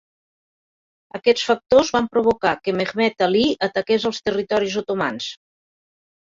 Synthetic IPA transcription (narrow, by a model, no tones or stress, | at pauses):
əkɛt͡sfək̚t̪ozβampɾuβ̞ukakəmeɣmɛt̪aliət̪əkezəlˠst̪ərit̪ɔɾizut̪uma̰ns